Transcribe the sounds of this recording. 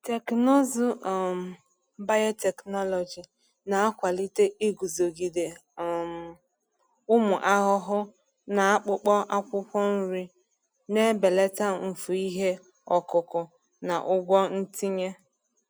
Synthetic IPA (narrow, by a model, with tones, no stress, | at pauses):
te˨knɔ˦zʊ˨m̩˨ | ba˦jɔ˦te˨knɔ˦lɔ˨d͡ʒi˨ | na˨a˦kʷa˨li˦te˦i˦ɡu˨zo˨ɡi˨de˨m˨ | ʊ˦mʊ˨ʔa˦ɦʊ˦ɦʊ˦ | na˨a˦k͡pʊ˦k͡pɔ˦ʔa˦kʷʊ˦pɔ˦n̩˦ɾi˦ | ne˦be˨le˦ta˦m̩˨fu˨i˦ɦe˦ | ɔ˨kʊ˨kʊ˨ | na̰˨ʔʊ˦ɡʷɔ˦n̩˦ti˦ɲe˦